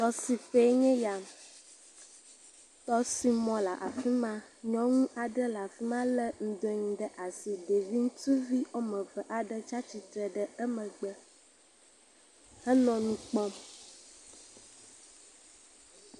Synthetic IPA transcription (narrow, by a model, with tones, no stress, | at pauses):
t̪ɔ˦si˨ɸe˦ɲẽ˦ja˨m | t̪ɔ˦si˨mɔ̃˨la˨ʔa˨fi˦mã˦ɲɔ̃˨ŋũ˦ʔa˨ɖə˦la˨fi˦mã˦lə˦ŋ̩̃˨d̪o˨ɲĩ˨ɖə˦ʔa˨si˨ɖe˨vi˦ŋ̩˦t̪u˦vi˦ɔ˦mə̃˨və˨ʔa˨ɖə˦t͡ʃa˦t͡ʃi˨t̪ɾə˨ɖə˦ə˦mə̃˨ɡ͡bə˦ | hə˦nɔ̃˨nũ˦k͡pɔ̃˦m